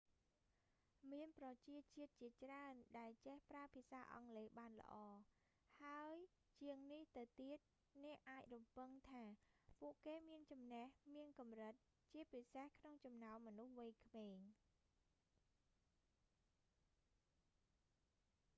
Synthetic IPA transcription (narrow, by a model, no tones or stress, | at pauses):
miənprɑt͡ɕiət̪̚t͡ɕiət̪̚t͡ɕiət͡ɕraənɗaɛlt͡ɕehpraəpʰiəsaːʔɑ̰ŋleːɓaːnlə̰̆ʔɑː | haəj | t͡ɕiəŋniht̪ɨwt̪iət̪̚ | nɛ̆əʔʔaːc̚rumpɨŋt̪ʰaːpuəʔkeːmiənt͡ɕɑmnehmiənkɑmrɨt̪̚ | t͡ɕiəpisehkʰnoŋt͡ɕɑmnaɔmːɔnuhʋɨjkʰmeːŋ